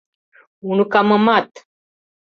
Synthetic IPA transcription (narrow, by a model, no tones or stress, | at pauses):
unukaməmat̪